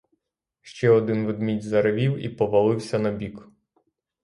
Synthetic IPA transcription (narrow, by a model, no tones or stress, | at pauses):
ʃt͡ʃɛɔd̪ɪnʋɪd̪mʲidʲzɐɾɪʋʲiwḭpɔʋɐlˠɪwsʲɐnɐbʲik